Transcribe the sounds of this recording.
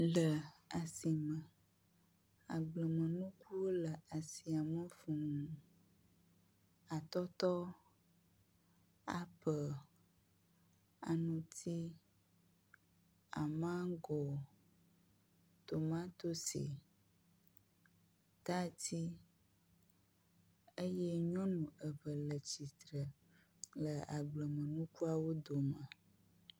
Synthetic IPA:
lə˨a˨si˨mə̃˨ | a̰˨ɡ͡blə˨mə̃˨nũ˦ku˦wo˦lə˨ʔa˨si˨a˨mə̃˦fũ˨mũ˨ | a˨t̪ɔ˦t̪ɔ˦ | a̰˨pə˨ | a̰˨nũ˨t̪ʰi˦ | a̰˨mã˦ɡo˨ | t̪o˨mã˦t̪o˦sḭ˨ | t̪a˦t̪i˦ | e˦jɛ˦ɲɔ̃˦nũ˨ə˨ɸə˨lə˨t͡ɕi˨t̪ɾə˨ | lə˨a˨ɡ͡blə˨mə̃˨nũ˦ku˦a˨wo˦d̪o˨mə̃˨

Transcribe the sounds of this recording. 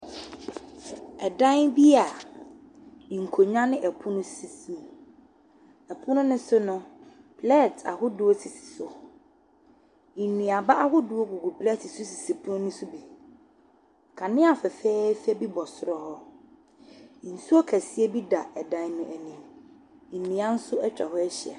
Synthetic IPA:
ɛ˨dã˦nbi˦a˨ | ŋ̩˨kʰo˨ɲã˦nɪ̃˦ʔɛ˨pʰũ˦nʊ̃˦si˨sĩ˨m | ɛ˨pʰʊ̃˦nʊ̃˦nʊ̃˦sʊ˦nʊ̃˦ | pʰlɛ˦˨tʰa̰˨hʊ˦dʊ˨ɔ˦si˨si̥˨sʊ˨ | nĩ˨a˨ba˦ʔa˦ɦʊ˦dʊ˨˦ɔ˦ɡu˨ɡu˨pʰlɛ˦˨tɪ˨sʊ˦si˨si˨pʰu˦nʊ̃˦nʊ̃˦sʊ˦bi˨ | kʰã˨nɪ̃˦a˨fɛ˨fɛː˦fɛ˦bi˦bɔ˨sʊ˦ɾɔ˦hɔ˦˨ | n̩˨su˦ɔ˦kʰæ˨si˦e˦bi˦da˨ɛ˨dã˨˦n˦nʊ̃˦ʔæ˨nĩ˨m̩˨ | nĩ˨ã˦n̩˦sʊ˦ɛ˦t͡ɕᶣa̰˨hɔ˦ɛ˦ɕɪ˨ɛ̰˨

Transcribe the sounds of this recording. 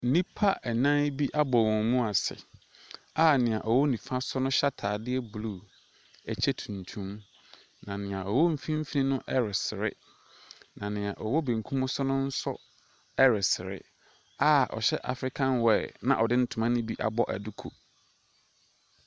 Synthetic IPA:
n̩˦nĩ˦pʰa˦ʔɛ˨nã˦bi˦ʔa˦bɔ˨wɔ̃˨mũ˦a˨sɪ̰˨ | a˦nɪ̃˨ã˨ʔɔ˨wɔ˦nĩ˨fã˦sʊ˦nʊ̃˦ɕa˦tʰaː˨dɪ˦ɛ˦bu˨lu˦˨ | ɛ˨t͡ɕʰɛ˦tʰũ˨n˨tʰũ˦m | nã˨nɪ̃˨ã˨ɔ˨wɔ˦m̩˦fĩ˦m̩˦fi˦nĩ˦nʊ̃˦ʔɛ˦ɾɪ˨sɪ˨ɾɪ̰˦ | nã˨nɪ̃˨ã˨ʔɔ˨wɔ˦bẽ˨ŋ̩˨kʰũ˦mʊ̃˦sʊ˦nʊ̃˦n̩˦sʊ̰˦ | ɛ˦ɾɪ˨sɪ˨ɾɪ̰˦ | a˦ʔɔ̰˨ɕɛ˦ʔa̰˨fɾɪ˦kʰã˦nwɛ˨nã̰˨ʔɔ˨dɪ˦n̩˦tʰʊ˨mã˦nʊ̃˦bi˦ʔa̰˨bɔ˦ʔæ̰˨du˦kʰo˨

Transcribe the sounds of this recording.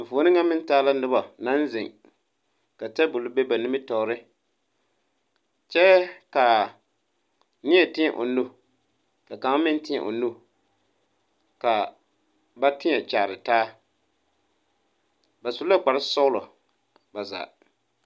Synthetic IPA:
m̩˨voː˨˦nɨ˦ŋa˦mɪ˦n˦taː˦la˦nɨ˦ba˨na˦n˦zɪ˨ŋ | ka˨tɛ˦bʊ˨lʊ˦be˦ba˨nɪ˦mɪ˦tɔ˨˦ɾɪ˦ | t͡ʃɛ˦ka˨ | nɪ˦ɛ˨tɪ˦ɛ˨ʔo˨nːu˦ | ka˨ka˨˦mɪ˦n˦tɪ˦ɛ̰˨ʔo̰˨nːu˦ | ka˨ | ba˦tɪ˦ɛ˨t͡ʃa˨ɾɪ˨taː˦ | ba˨su˨la˦k͡pa˨ɾɪ˦sɔ˦ʊ˦lɔ˨ | ba˨za̰ː˨

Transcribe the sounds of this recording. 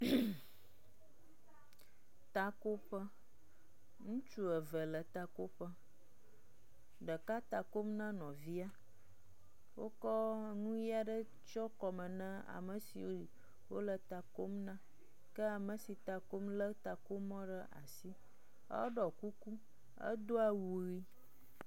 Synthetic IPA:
t̪a˨ko˦ɸə˦ | ŋũ˦t͡ʃu˦ə˨və˨lə˨t̪a˨ko˦ɸə˦ | ɖə˨ka˦t̪a˨ko˦mnã˦nɔ̃˨vi˦a˦ | wo˦kɔ˦ŋũ˦ji˦a˨ɖə˦ | t͡ʃɔ˦kɔ˨mə̃˨nə̃˦a̰˨mə˨sḭ˨wo˦˨ | wo˦lə˨t̪a˨ko˦mnã˦ | kə˦a˨mə˨si˨t̪a˨ko˦mlə˦t̪a˨ko˦mɔ̃˦ɖə˦ʔa̰˨si˦ | ə̰˦ɖɔ˨ku˦ku˦ | ə̰˦d̪o˦a˨wu˨ɣi˦

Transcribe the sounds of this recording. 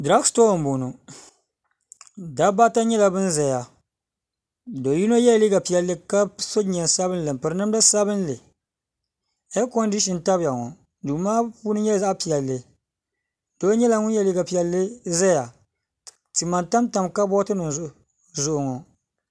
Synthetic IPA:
dɾa˦ksto˦˨m˨bu˨nu˨ | da˦ba˦ta˦ɲɛ˦la˨bɨ˦nzɛ˨ja˨ | do˨ji˦no˦jɛ˦li˦ɡa˨pi˨jɛ˨lːɨ˦ka˦so˦ɲ˨ɛ˨nsa˦bɨ˦n˦lɨ˨m̩˨pɨ˨ɾɨ˦nɨ˦m˦da˦sa˦bɨ˦n˦lɨ˨ | ɛ˦ko˦n˦di˦ʃi˨n˨ta˦bja˨ŋɔ̰˨ | duː˨maː˦puː˦nɨ˦ɲɛ˦za˦ʔpi˨jɛ˨lːɨ˨ | do˦ɲɛ˦la˨ŋʊ˦njɛ˦li˦ɡa˨pi˨ɛ˨lːɨ˦zɛ˦ja˨ | ti˨ma˨nta˦mta˨mka˦bɔ˦tɨ˦nɨ˨ | zʊ˦ʔʊ˨ŋɔ˨

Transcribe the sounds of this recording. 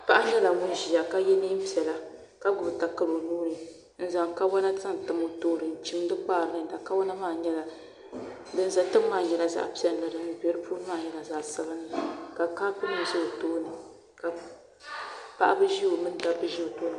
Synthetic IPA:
pa˦ʔa˦ɲɛ˦la˨ŋʊ˦n˦ʒi˨a˨ka˦jɛ˦niː˦m̩˦pi˨ɛ˨la˦ | ka˦ɡʊ˨bɨ˨ta˨kɨ˦lo˨nuː˦ɾɨ˨ | n̩˦za˨ŋka˦wa˦na˦ta˦n˨tɨ˨mo˨toː˦ɾɨ˨n̩˨t͡ʃi˦m˦dɨ˦k͡paː˦˨ɾɨ˨nɨ˦˨da˨ka˦wɔ˦na˦maː˦˨ɲɛ˦la˨ | dɨ˦n˦za˨tɨ˦m˦mːaː˦˨ɲɛ˨la˨za̰˦ʔpi˦ɛ˨lla˨dɨ˨nɨ˨˦bɛ˨˦ɾɨ˦puː˦ɾmaː˦˨ɲɛ˦la˨za˨ʔsɨ˦ɣa˦nɨ˨ka˨kaː˦pɨ˦nɨ˨mzi˦o˨toː˦nɨ˨ | ka˨ | pa˦ʔa˦bɨ˦ʒi˦o˨mɨ˦n˦˨da˦bɨ˦ʒi˦o˨toː˦nɨ˨

